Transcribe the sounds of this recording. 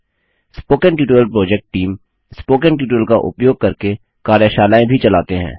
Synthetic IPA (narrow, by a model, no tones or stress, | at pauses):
spoːkə̃ɳʈjuːʈːəlpɾoːd͡ʒɛk̚ʈʈːiːm | spoːkə̃ɳʈjuːʈːəlkaʔʊ̰pjoːɡ̚kɐɾke | kaːɾjaʃaːlaːẽbʱit͡ʃɐlaːt̪eɦɛ̰̃ː